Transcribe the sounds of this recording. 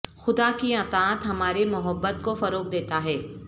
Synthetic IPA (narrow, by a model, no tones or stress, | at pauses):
xʊd̪akiat̪aːt̪ɦɐmaːɾemʊɦəbːət̪kofɐɾoːk̚d̪eːt̪aɦɛː